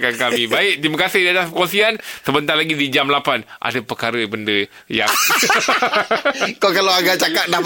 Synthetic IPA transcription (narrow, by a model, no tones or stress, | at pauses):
kankamibaɪʔ̚t̪imakasɪhdiat̪aspəkosiansəbənt̪arlaɡidid͡ʒamlapanʔa̰dəpərkaɾəbəndə | ja | kokalawaɡat͡ʃakat̪̚dap